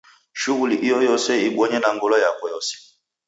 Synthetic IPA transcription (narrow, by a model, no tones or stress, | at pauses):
ʃuɣuliʔijɔjɔsɛiɓɔɲɛnaŋɡɔlajakwɔjɔsɛ̥